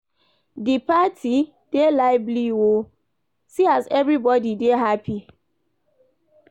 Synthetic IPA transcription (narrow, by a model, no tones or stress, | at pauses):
dipatʰi | d̥elaɪbliwo | siazɛvɹibɔdideɦapʰi